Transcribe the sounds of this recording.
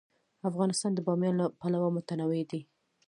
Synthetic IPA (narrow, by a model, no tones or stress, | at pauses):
afɣɑnɪst̪ɑnd̪əbɑmjɑnlapalawamʊt̪anawed̪i